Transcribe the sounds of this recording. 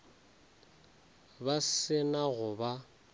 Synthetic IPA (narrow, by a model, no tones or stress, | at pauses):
basɪnaɣʊba